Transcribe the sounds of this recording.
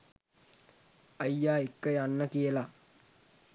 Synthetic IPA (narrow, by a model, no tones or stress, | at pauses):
ɐjːaːikːɐjanːəkijəla